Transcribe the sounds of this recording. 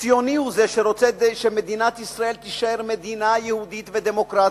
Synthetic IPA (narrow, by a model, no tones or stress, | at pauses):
ijo̞niuzeʃeɾot͡seʃemed̪inat̪isʁae̞lt̪iʃaeɾmed̪inajehud̪it̪ved̪emo̞kɾa